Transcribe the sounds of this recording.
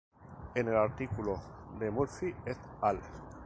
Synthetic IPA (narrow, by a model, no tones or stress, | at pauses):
enelaɾt̪ikulod̪emuɾfiet̪ale